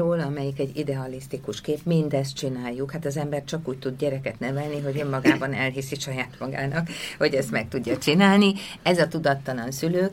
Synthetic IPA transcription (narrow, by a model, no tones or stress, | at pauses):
oːlɒmɛjikɛɟːid̪ɛɒlist̪ikuʃkeːpmind̪ɛs̬t̪̚t͡ʃinaːjːukhat̪ɒzɛmbɛrt͡ʃɒkuːc̚t̪ud̪̚ɟɛɾɛkɛt̪nɛvɛlniɦo̞ɟø̞mːɒɡaːbɒnɛlɦisiʃɒjaːt̪mɒɡa̰ːnɒkho̞ɟɛst̪mɛk̚t̪uɟːɒt͡ʃinaːlni | ɛzɒt̪ud̪ɒt̪ːɒlɒnsyløːk